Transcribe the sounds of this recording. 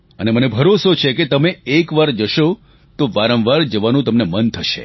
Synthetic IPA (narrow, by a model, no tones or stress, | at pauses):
ənemənebʱəɾosot͡ʃʰeket̪əmeekʋaɾd͡ʒəʃo | t̪oʋaɾə̃ʋʋaɾd͡ʒəʋanũt̪əmnemənt̪ʰəʃḛ